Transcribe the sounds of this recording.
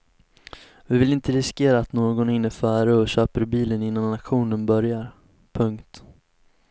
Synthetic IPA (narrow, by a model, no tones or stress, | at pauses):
vɪvɪlɪnt̪əɾɪskeːɾaːt̪noːɡɔnɪnːəfæːɾəɔɕøːpəɾbiːlənɪnːanatɧuːnənbœɾjaɾ | pʰɵŋkt̪